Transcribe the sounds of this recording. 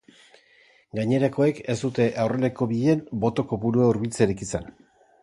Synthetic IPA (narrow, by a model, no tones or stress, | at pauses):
ɡaɲe̞ɾako̞e̞ke̞sd̪ut̪e̞ʔawre̞le̞ko̞βiðeeːmbo̞t̪o̞ko̞βuɾuauɾβilt͡seɾikisen